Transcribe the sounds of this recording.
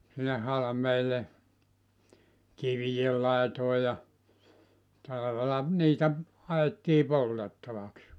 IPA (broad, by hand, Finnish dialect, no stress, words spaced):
sinːe hɑlɑ̆meːlˑe kiʋij̆el lɑˑetoˑe jɑ tɑlɑʋelɑ niːtæ hɑetːiː poltetːɑʋɑks